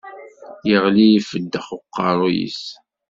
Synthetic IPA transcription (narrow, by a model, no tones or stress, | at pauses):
jəʁliifəd̪ːəχoqːɑɾˤojḭs